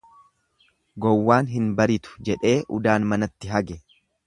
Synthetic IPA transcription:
ɡɔwːaːnɦɪnbɐɾɪt̪ʊ̥d͡ʒɛᶑe̞ːʔʊ̰d̪aːnmɐnɐt̪ːɪɦɐɡɛ

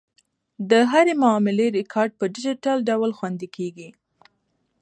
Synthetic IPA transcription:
d̪əɦaɾemʊɑmɪleɾɪkʰɑɾɖ̚pəɖɪd͡ʒɪʈalɖawlxwand̪ikʰeɡi

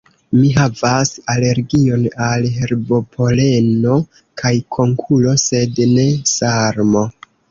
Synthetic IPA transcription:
miɦavasale̞ɾɡio̞nalɦe̞ɾbo̞pʰo̞le̞no̞ | kʰajkʰo̞ŋkʰulo̞se̞dne̞saɾmo̞

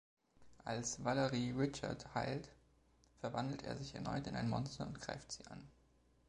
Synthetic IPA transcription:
ʔa̰lsv̥aləʁiʁɪt͡ʃɐ̰thaɪlt | fɛɐvandl̩tḛːɐzɪçɛɐnɔ̰ʏtɪnʔaɪnmɔnstɐʊntɡ̥ʁa̰ɪftz̥iːʔa̰n

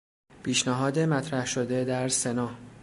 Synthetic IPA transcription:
pʰiːʃnæɦɒːd̪e̞mæt̪ʰɾæhʃod̪e̞d̪æɾse̞nɒː

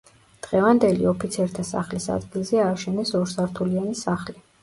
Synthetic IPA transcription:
d̪̥ʁɛvand̪ɛlḭɔpʰit̪sʰɛɾt̪ʰasa̰χlisa̰d̪ɡilˠzɛaːʃɛnɛsɔɾsaɾt̪ʰulianisaχli

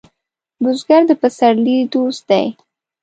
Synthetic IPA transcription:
bʊzɡaɾd̪əpasaɾlid̪osd̪a̰j

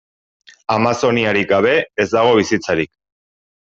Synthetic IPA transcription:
amaso̞niaɾikɡaβ̞e̞ezd̪aɣ̞o̞β̞isit͡saɾik

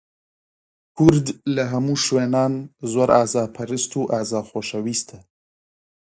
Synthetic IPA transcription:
kʊɾd̪laɦamuʃwenɑːnzwaɾɑzɑːpʰaɾist̪uʔazɑːxoʃawist̪ʰa

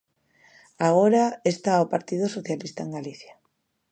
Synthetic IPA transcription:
aɣoɾaest̪aopaɾt̪ið̞osoθjalist̪aeŋɡaliθja

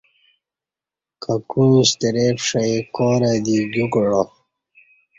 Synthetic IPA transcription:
kʰakuĩɕt̪eɾeːpʂaekoːɾad̪iɡukɽo

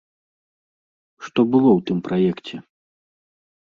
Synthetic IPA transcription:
ʂt̪ɔbɨlˠɔwt̪ɨmpɾʔajɛkt͡sʲɛ

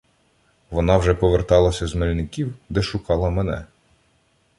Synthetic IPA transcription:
ʋɔnɑwʒɛpɔʋert̪ɑlˠɐsʲɐzmelʲnɪkʲiwd̪ɛʃʊkɑlˠɐmɛnɛ̰

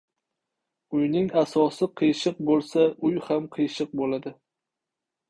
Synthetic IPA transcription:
ʊjnɪŋasɒsɪqʰɨjʃɨq̚bolˠsaʊjhamqʰɨjʃɨq̚bolad̪ɪ

